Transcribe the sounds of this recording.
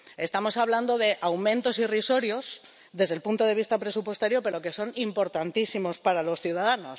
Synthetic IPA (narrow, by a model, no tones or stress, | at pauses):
e̞st̪amo̞saβland̪o̞ðe̞ʔawmẽ̞nt̪o̞siriso̞ɾjo̞s | ðe̞zðe̞lpunt̪o̞ð̞e̞βist̪apɾe̞supwe̞st̪aɾjo̞pe̞ɾo̞ke̞so̞nimpo̞ɾt̪ant̪isimo̞spaɾalo̞sθjuð̞aðano̞s